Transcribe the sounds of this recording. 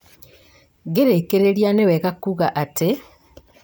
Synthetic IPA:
ɡeɾekeɾeɾjaneweɣakuɣaʔate

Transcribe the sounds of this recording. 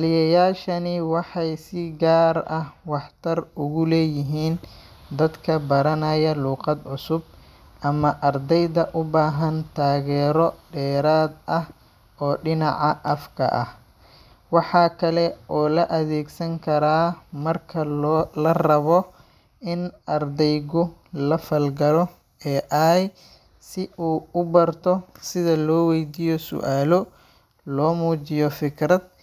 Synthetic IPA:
lɪjɐjaːʃɐnɪwɑħɑjsɪɡaːɾɐwɑħt̪ʰɐrʊɣʊlɛːjɪɦiːn | d̪ɐd̪kʰɐbɐɾɐnɐjɐluːqɑd̪ʕʊsʊb | ʔɐmɐʔɐrd̪ɛjðɐʔʊbaːɦɐnt̪ʰaːɣɛːɾɔɖɛːɾaːd̪ʔɐh | ʔɔːɖɪnɑʕɑʔɐfkʰɐ̰ʔɐ̰h | wɑħɑːkʰɐlɛʔɔːlɐʔɐðɛːɡsɐŋkʰɐɾaːmɐrkʰɐlːlɐrɐβɔ | ɪnʔɐrd̪ɛjɣʊlɐfɐlɡɐlɔ | ɛːʔaj | sɪʔuːʊbɐrt̪ʰɔsɪðɐlɔːwɛjd̪iːjɔsʊ̰ʔaːlɔ | lɔːmuːt͡ʃɪjɔfɪkʰrɐd̪̚

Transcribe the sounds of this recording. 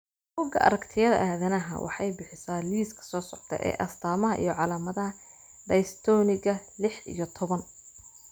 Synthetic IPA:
buːɡɐ̰ʔɐ̰ɾɐkt̪ʰɪjɐðɐ̰ʔaːðɐnɐɦɐ̰wʔɑ̰ħɑjbɪħɪsaːliːskʰɐ̥sɔːsɔʕt̪ʰɛ̰ʔɛ̰ːʔɐst̪ʰaːmɐɦɐʔḭjɞʕɑlaːmɐðɐɦɐ | ɖ̪ɐjst̪ʰɔːnɪɣɐlɪħḭjɞt̪ʰɔβɐn

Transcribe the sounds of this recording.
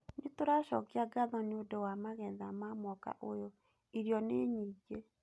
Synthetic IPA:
netoɾaɕɔ̰keaɡaðɔneodɛwamaɣɛðamamwɔka̰ʔojo | iɾjɔneɲiːɡe

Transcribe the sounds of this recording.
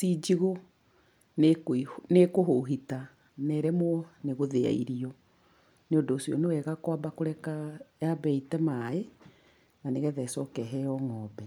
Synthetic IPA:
sid͡ʑiɣo | nekinekoɦoɦita | nɛɾɛmoɔneɣoðea̰iɾiɔ | neondoːsjɔnewɛɣakwabakoɾɛkajabɛitɛmae | naneɣɛðɛsɔkɛɦɛɔŋɔːbɛ

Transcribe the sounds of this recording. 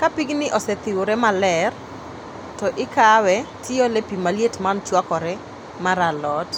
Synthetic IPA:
kapiɡnɪʔɔsɛt̪ɪwoɾɛmalɛr | tɔʔɪkawɛtʰɪolepimaljetmant͡ʃwakɔɾɛ | maɾalɔt

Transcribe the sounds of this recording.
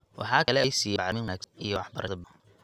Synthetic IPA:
wʔɑ̰ħɑːkʰɐlɛɛjsiːjɛʕmɪnwɐnæːɡsnijɔwɑħbɐɾʔɐdɐb

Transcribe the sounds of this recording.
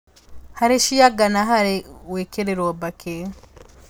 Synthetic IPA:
haɾeʃijaɡanaɦaɾiweːkeɾeɾoːbake

